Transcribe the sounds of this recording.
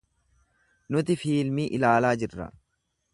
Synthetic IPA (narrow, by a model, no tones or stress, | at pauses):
nʊt̪ɪfiːlmiːʔɪlaːlaːd͡ʒɪrːɐ̰